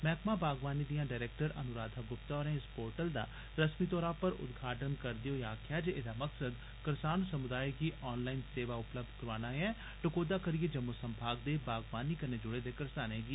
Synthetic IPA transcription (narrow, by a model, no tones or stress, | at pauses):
mɛːkmãːbaːɡʋaːniːd̪ijãːɖaːɪɾɛːk̚ʈəɾə̰nʊɾaːd̪ʱaːɡʊpt̪aːɾẽːɪspoːɾʈəld̪a̰ː | ɾəsmiːt̪ɔːɾãːpəɾʊ̰d̪ɡʱaːʈənkəɾd̪ɪjoːjaːkʰjaːd͡ʒeed̪aːməksəd̪ | kəɾsaːnsəmʊd̪aːiɡiːʔɔːnlaːinseːʋaːʊpləb̚d̪kəɾʋaːnãːɛ̃ː | ʈʊkoːd̪aːkəɾijeːd͡ʒəmosəmbʱaːɡ̚d̪eːbaːɡʋaːniːkəneːd͡ʒʊɽeːd̪eːkəɾsaːnẽːɡiː